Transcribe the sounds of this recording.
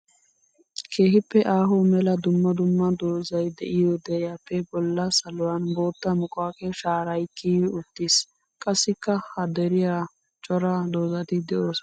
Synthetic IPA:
kʰe̞ːɦɪpːɛʔaːɦɔmɛlɐd̪ʊmːɐd̪ʊmːɐd̪oːzɐjd̪ɛʔɪjod̪ɛjapːɛbɔlːɐsɐlʊwɐnbo̞ːt̪ːɐmʊkʼaːkɛʃaːɾɐjkːiʊt̪ːis | kʼɐsːɪkːɐhɐd̪ɛɾɪja | t͡ʃʼɔɾɐd̪oːzɐt̪ɪd̪ɛʔo̞ːs

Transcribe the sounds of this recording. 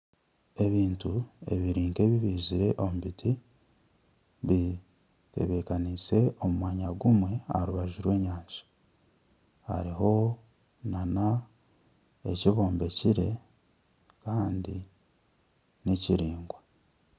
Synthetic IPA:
e̞βiːntue̞̰βiɾiːŋke̞βiβiːziɾe̞ʔomuβitʰi | βi | te̞̰βe̞kanise̞o̞mumwaːɲaɡumwe̞a̰ɾuβaʒuɾwe̞ːɲaːɲzḁ | ha̰ɾiɦo̞ | nana | e̞̰ciβo̞ːmbe̞ciɾe̞ | kaːndi | neciɾiːŋɡwa

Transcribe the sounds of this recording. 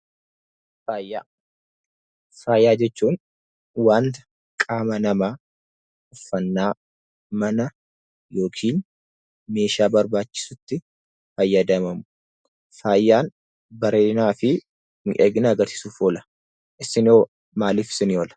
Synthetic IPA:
faːjaː | faːjːaːd͡ʒɛt͡ʃːuːn | waːnt̪ɐ̥ | kʼaːmɐnɐmaː | ʊfːɐnːaː | mɐnɐ | jo̞ːkʰiːn | me̞ːʃaːbɐɾbaːt͡ʃːɪ̥sʊt̪ːɪ | fɐjːɐd̪ɐmɐmʊ | faːjːaːn | bɐɾeːnaːfɪ | nɪʔeːɡɪnɐɡɐɾsɪ̥suːfoːlɐ̥ | ʔɪsɪnoː | maːliːfsɪnɪoːlɐ̥

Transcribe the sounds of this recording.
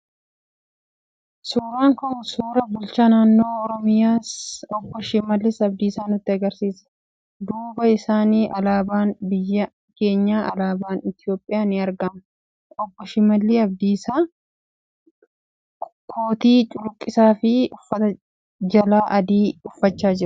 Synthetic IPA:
suːɾaːŋkɔsuːɾɐbʊlt͡ʃaːnaːnːo̞ːɾɔmɪjaːsɔbːɔʃɪmɐlːɪsɐbd̪iːsaːnʊt̪ːɪɐɡɐɾsiːsɐ̥ | d̪uːbɐɪsaːniːʔɐlaːbaːnbɪjːɐ | ke̞ːɲːaːʔɐlaːbaːnɪt̪ɪjo̞ːpʼːɪjaːnɪɐɾɡɐm | ɔbːɔʃɪmɐlːiːɐb̚d̪iːsaː | kʰoːt̪iːt͡ʃʼʊɾʊkʼːɪsaːfɪʊfːɐt̪ɐ | d͡ʒɐlaːʔɐd̪iːʊfːɐt͡ʃːaːd͡ʒɪɾɐ̥

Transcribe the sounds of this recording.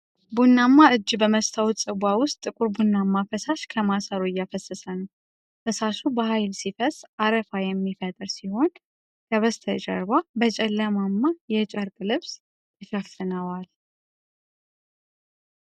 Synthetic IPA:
bunːamːaɨd͡ʒːbəməst̪ʰawt̪t͡sʼɨɡʷawʊst̪ʼɨkʼʊɾbunːamːafəsaʃkʰəmasəɾuɪjːafəsːəsənəw | fəsaʃubəhajlsifəsaɾəfajɛmːifət̪ʼɨɾsiho̞n | kʰəβəst̪ʰəd͡ʒʼə̰ɾbabət͡ʃʼɛlːəmamːajɛt͡ʃʼəɾkʼlɨβs | t̪ʰəʃəffɨnəwal

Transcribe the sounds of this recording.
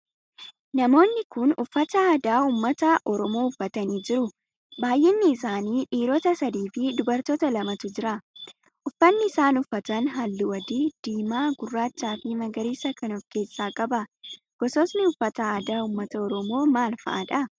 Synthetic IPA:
nɐmo̞ːnːɪkʊnʊfːɐt̪ɐaːd̪aːuːmːɐt̪ɐʔɔɾɔmo̞ːʊfːɐt̪ɐniːd͡ʒɪɾʊ | baːjʔɛːnːɪːsaːniːᶑiːɾoːt̪ɐsɐd̪iːfɪd̪ʊbɐɾt̪oːt̪ɐlɐmɐt̪ʊd͡ʒɪɾɐ | ʔʊfːɐnːɪɪsaːnʊfːɐt̪ɐnɦɐlːɪwɐd̪id̪̥iːmaːɡʊrːaːt͡ʃːaːfɪmɐɡɐɾiːsɐkɐnɔfke̞ːsːaːkʼɐbɐ | ɡ̥ɔsɔsnɪʊfːɐt̪ɐaːd̪aːuːmːɐt̪ɐɔɾɔmo̞ːmaːlfɐ̰ʔɐᶑɐ

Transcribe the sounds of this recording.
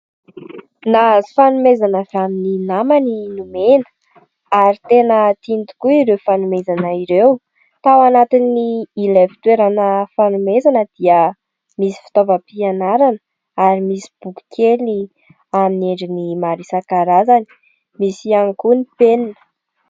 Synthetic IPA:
nazi̥fanumezanavamininamaninumenə̥ | aɾit̪enət̪int̪u̥kuiɾewfanumezanəiɾew | t̪awanat̪iniːlevi̥t̪weɾanəfanumezanəd̪̥iə | misi̥fi̥t̪ovapianaɾanə | aɾimisi̥b̥uku̥kʰeli | amineɳɖ͡ʐinimaɾisakaɾazani̥ | misianikunipeninə̥

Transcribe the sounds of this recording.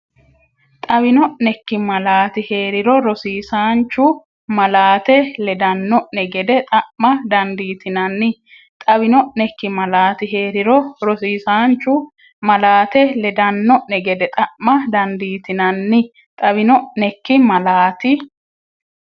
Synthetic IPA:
t̪ʼɐbɪnɔʔnɛkːɪmɐlaːt̪ɪhe̞ːɾɪɾɔɾɔsiːsaːnt͡ʃːʊ | mɐlaːt̪ɛlɛd̪ɐnːɔʔnɛɡɛd̪ɛt̪ʼɐʔmɐd̪ɐnd̪iːt̪ɪnɐnːɪ | t̪ʼɐbɪnɔʔnɛkːɪmɐlaːt̪ɪɦe̞ːɾɪɾɔɾɔsiːsaːnt͡ʃːʊ | mɐlaːt̪ɛlɛd̪ɐnːɔʔnɛɡɛd̪ɛt̪ʼɐʔmɐd̪ɐnd̪iːt̪ɪnɐnːɪ | t̪ʼɐβɪnɔʔnɛkːɪmɐlaːt̪ɪ

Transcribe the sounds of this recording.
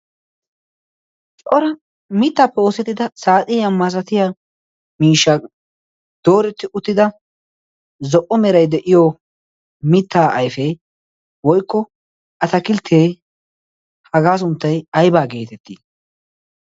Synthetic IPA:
t͡ʃʼɔɾɐ | mɪt̪ːaːpːɛo̞ːsɛt̪ːɪd̪ɐsaːt̪ʼɪjɐmɐsɐt̪ɪja | miːʃːɐ | d̪̥oːɾɛt̪ːɪʔʊt̪ːɪd̪ɐ | zɔʔɔmɛɾɐjd̪ɛʔɪjo | mɪt̪ʰːaːʔɐjfɛ | wɔjkːɔ | ʔɐt̪ɐkɪlt̪ʰːeː | hɐɡaːs̬ʊnt̪ːɐjɐjbaːɡeːt̪ɛt̪ːi

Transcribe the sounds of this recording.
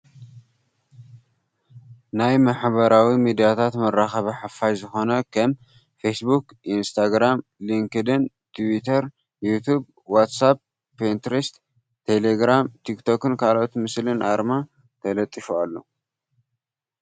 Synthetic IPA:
najmaħbɐɾawimid̪ijat̪ʰat̪mɐrːaxɐβɐħafajzɨxo̞nɐkʰɐm | fesbuk | ʔinst̪ʰaɡɾamliŋkɨd̪ɨn | t̪ʰwit̪ʰɐɾ | jut̪ʰub | wat̪sab̚ | pent̪ɾist̪ | t̪ʰeleɡɾamt̪ʰikt̪ʰo̞kɨnkʰalo̞t̪mɨslɨnʔa̰ɾma | t̪ʰɐlɐt̪ʼːifualːo̰

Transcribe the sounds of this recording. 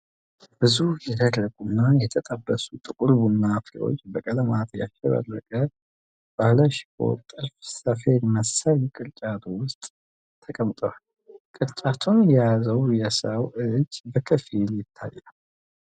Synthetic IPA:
b̥ɨzuhjɛd̪ərːəkʼunːajɛt̪ʰət̪ʼəbːəsut̪ʼɨkʼuɾbunːafɾḛo̞̰t͡ʃːbəkʼələmat̪ja̰ʃəβə̰rːəkʼə | b̥ahləʃɪ̥kʰo̰t̪ʼɨɾfsəfelməsəlkʼɨɾt͡ʃʼat̪ʰwʊst̪ʼ | t̪ʰːəkʼəmt̪ʼoal | kʼɨɾt͡ʃʼat̪ʰunjɛjazəwjɛsəwɨd͡ʒːbəkʰəfiljɪt̪ʰːa̰jːa

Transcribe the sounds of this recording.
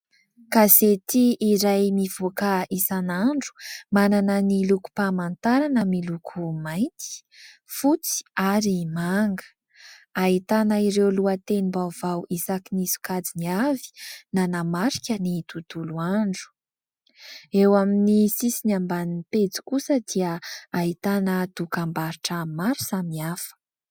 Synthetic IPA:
kazet̪iːɾajmiv̥okaisanaɳɖ͡ʐu̥mananəniluku̥pamant̪aɾanəmilukʰumajnt̪i̥ | fut͡si̥aɾimaŋɡə̥ | aɦit̪anəiɾewluat̪enimbav̥awʔisakinisu̥kad͡ziniavi̥nanamaɾi̥kʲənit̪ut̪uluaɳɖ͡ʐu̥ | ewaminisisiniambaninipet͡si̥kusəd̪̥iəait̪anət̪ukambaɾiʈ͡ʂəmaɾu̥samiafə̥

